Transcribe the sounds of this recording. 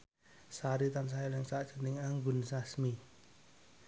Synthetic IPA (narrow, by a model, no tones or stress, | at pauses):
saɾit̪ans̬ajalɛŋsaʔd̥ʒ̥ə̥nɪŋaŋbṳnsasmi